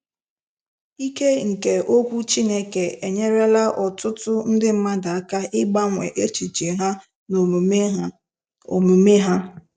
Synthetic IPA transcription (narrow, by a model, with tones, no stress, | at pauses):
i˦ke˦ŋ̩˨ke˨ʔo˦kʷu˦t͡ʃi˦ne˦ke˨e˨ɲe˦ɾe˦la˦ʔɔ˨tʊ˦tʊ˦n̩˦dɪ˦m̩˦ma˦da˨a˦ka˦ʔɪ˦ɡ͡ba˦ŋʷe˨ʔe˦t͡ʃi˨t͡ʃi˨ɦa˦ | no˨˦ | o˨mu˨me˦ɦa˦